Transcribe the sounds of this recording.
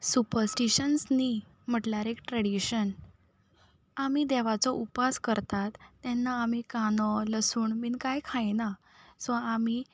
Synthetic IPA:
supəɾsʈiɕənsni | m̤əʈlaɾekʈɾəɽiɕən | amid̪ɛʋ̤at͡sɔʔupaskəɾt̪at̪ːɛnːaːmikanɔləsuːɳmiːnkajkʰãjna | sɔ̃ami

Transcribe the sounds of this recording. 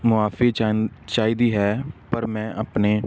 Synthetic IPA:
mʊaːfet͡ʃaːiːd̪iːɦɛːpəɾmɛ̃ːʔəpneː

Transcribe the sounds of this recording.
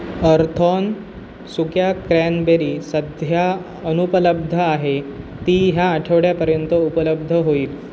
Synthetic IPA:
əɾt̪ʰɔn | sukjakɾænbeɾiːsəd̪ʱja | ənupələb̚d̪ʱəaɦe | t̪iːɦjaːʈʰəʋɽjapəɾjənt̪əupələb̚d̪ʱəɦoiːl

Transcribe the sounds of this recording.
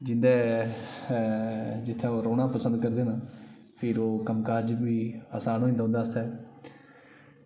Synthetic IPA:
d͡ʒɪnd̪ɛː | d͡ʒɪt̪ʰːãːoːɾoːɽãːpəsə̃nd̪̚kəɾd̪eːnaː | pʰɪɾoːkəmkaːɾd͡ʒbiːəsãːnũːĩnd̪aõːnd̪aːst̪aː

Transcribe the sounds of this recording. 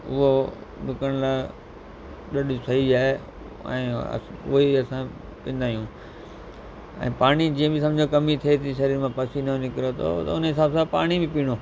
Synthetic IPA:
ʊ̰ɦodʊkəɽ̃laː | ɗɐɗisɐɦiaːɦe | ɛ̰̃ːʊ̰ɦiɐsã | pĩːn̆d̪aːijũː | ɛ̰̃ːpaːɽ̃id͡ʑiːə̃bɪs̬ɐ̃md͡ʑokɐmit̪ʰiet̪ʰiʃɐɾiːɾmãpɐsinɐnɪkɾot̪ʰo̰ːt̪ɐ̰ʊnɦɪsaːbsãpaːɽ̃ibɪ̃piːɽ̃oː

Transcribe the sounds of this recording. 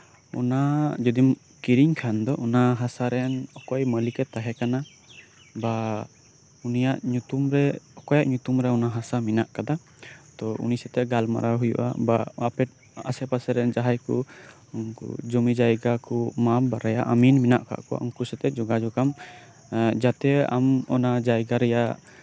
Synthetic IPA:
ɔ̰nad͡ʒɔd̪im | kiɾiɲkʰand̪ɔʔɔnaɦasaɾɛnɔkɔjməlikɛt̪aɦɛkana | ba | unijaʔɲut̪umɾɛɔkɔjaʔɲut̪umɾɛɔnaɦasaminaʔkad̪a | t̪ɔṵnisɛt̪ɛɡalma̰ɾaɦujṵʔa̰baapɛ | a̰sɛpasɛɾɛnd͡ʒaɦajku | kṵd͡ʒɔmid͡ʒajɡakumabaɾajaʔaminminaʔka̰ʔkɔ̰ɔŋkusɛt̪ɛd͡ʒɔɡad͡ʒɔkam | d͡ʒat̪ɛa̰mɔnad͡ʒajɡaɾɛjaʔ

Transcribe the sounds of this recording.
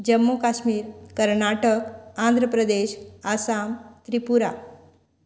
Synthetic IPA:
d͡ʑəmːokaɕmiːɾkəɾnaʈəkãnd̪ʱɾəpɾəd̪eɕasamt̪ɾipuɾa

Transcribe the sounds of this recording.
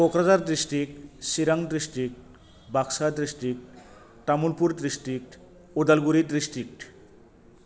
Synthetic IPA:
kokɾad͡zaɾd̪ɾisʈik̚siɾaŋɡd̪ɾisʈik̚ʈ | baksad̪ɾisʈik̚ | t̪amulpuɾd̪ɾisʈik̚ʈ | ud̪alɡuɾid̪ɾisʈik̚ʈ

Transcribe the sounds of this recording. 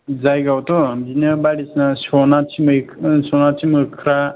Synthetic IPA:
zajɡawtɔbinɯbaɾisnasɔnatʰimɯsɔnatʰimɯkʰɾa

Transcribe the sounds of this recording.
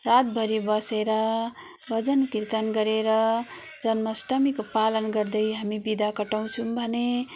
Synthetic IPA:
rat̪bʱʌɾibʌseɾʌ | bʱʌd͡zʌnkirt̪ʌnɡʌɾeɾʌ | d͡zʌnmʌsʈʌmikopalʌnɡʌrd̪ʌjɦamibid̪ʱakʌʈaw̃t͡sʰumbʱʌne

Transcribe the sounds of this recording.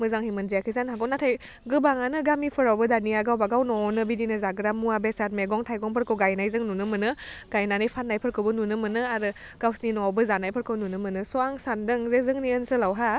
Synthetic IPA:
mɯzaŋhimɯnzijakʰizanɦaɡɔwnatʰaj | ɡɯbaŋanɯɡamipʰɯɾawbɯdaniaɡawbaɡawnɔnɯbidinɯzaɡɯɾamuabesat̚meɡɔŋtʰajɡɔŋpʰɯɾkʰɯwɡajnajzɯŋnunɯmɯnɯɡ̥ajnanajpʰanːajpʰɯɾkʰɯwbɯnunɯmɯnɯaɾɯ | ɡ̥awsninɔbɯzanajpʰɯɾkʰɯwnunɯmɯnɯsɔaŋsandɯŋzezɯŋniɯnsɯlawɦa

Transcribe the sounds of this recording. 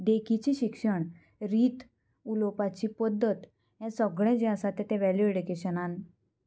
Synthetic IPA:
ɖekit͡ɕiɕikʂəɳ | ɾiːt̪ | ulopat͡ɕipəd̪ːət̪ | jãsəɡɭɛ̃d͡ʑɛ̃əsat̪ɛ̃t̪ɛ̃ʋɛljueɽikeɕənan

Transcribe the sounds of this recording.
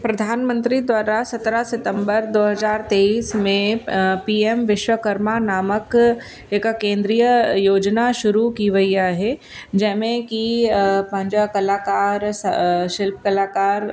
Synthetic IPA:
pɾɐd̪ʱaːnmə̃nt̪ɾid̪waːɾasɐt̪ɾasɪt̪ə̃mbəɾd̪oːɦɐzaːɾt̪eːiːsmẽpiːemʋɪʃwəkəɾmanaːmək | ekakẽːnd̪ɾijəjoːd͡ʒnaʃʊɾukiʋəijaɦɛ | d͡ʒɛɦmẽkipɐ̃ɦnd͡ʒakɐlaːkaːɾsʃɪlp̚kɐlaːkaːɾ

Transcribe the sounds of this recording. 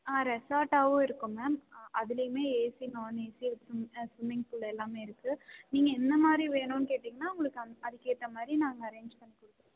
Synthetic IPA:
aːɾɛsaːʈaːʋɯ̃ɪɾɯkːɯmamɐðɪlɐjɯmeːeːsinoːneːsisʊsʋɪmɪŋɡfʊlːɛlːaːmeːɪɾɯkːɯniːŋɡɐɛnd̪ɐmaːd̪ɾiʋeːnʊ̃nkeːʈːiŋɡɐnːaːʊŋɡɐɭɯkːɯɐɐðɪkːeːt̪ːɐmaːd̪ɾinaːŋɡɐːɾeːɲd͡ʒpɐɳːikʊɽɯk̪ːɾẽ

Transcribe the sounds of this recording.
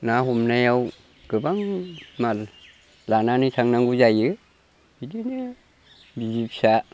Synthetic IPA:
naɦumnajaw | ɡ̥ɯbaŋmal | lananɯtʰaŋnaŋɡuzajɯ | bidinɯ | bizipsa

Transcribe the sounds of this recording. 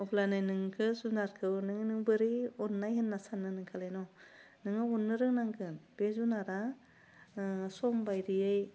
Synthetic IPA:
ɔpʰlanajnɯŋkʰɯzunaɾkʰɯwnɯŋɯnɯŋbɯɾiɔnːajhɯnːasanːɯnɯŋkʰalajnɔ | nɯŋɯɔnːɯɾɯŋnaŋɡʰɯnb̥ezunaɾa | sɔmbajɾijɯj

